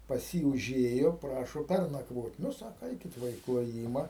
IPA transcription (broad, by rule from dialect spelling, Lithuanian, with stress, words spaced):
pɐs ˈjiː ʊˈʒʲeːjoː ˈprɑːʃoː ˈpʲærnɐkʋoːtʲ ˈnʊ ˈsɑːkoː ˈɛɪkʲɪt ˈʋɐ ɪ klˠoːˈjiːmɐ